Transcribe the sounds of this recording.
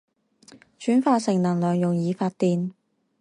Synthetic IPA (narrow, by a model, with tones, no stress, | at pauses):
t͡ʃyː˨˥nfaː˧sɪ˨˩ŋnɐ˨˩ŋlœː˨ŋjʊ˨ŋjiː˨˧faː˧t̚t̪iː˨n